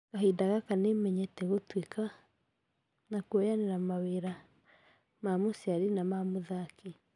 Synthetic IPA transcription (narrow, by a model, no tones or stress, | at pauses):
kaɦedaɣakanemɛɲɛtɛɣotweka | nakuojaneɾamaweɾa | mamosiaɾinamamoðake